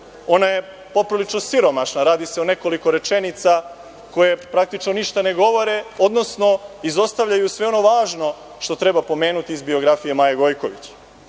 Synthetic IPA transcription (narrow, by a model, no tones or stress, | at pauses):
o̞naje | po̞pɾilit͡ʃnosiɾo̞maʃnaɾaːd̪iseone̞ko̞liko̞ɾe̞t͡ʃe̞nit̪sa | ko̞je̞pɾak̚t̪it͡ʃno̞niʃt̪ane̞ɡo̞ʋo̞ɾe̞o̞d̪no̞sno̞izo̞st̪aʋʎajusʋe̞o̞no̞ʋaːʒno̞ | ʃt̪o̞t̪ɾe̞bapo̞me̞ːnut̪iːzbio̞ɡɾafije̞maːjeɡo̞jko̞ʋḭt͡ɕ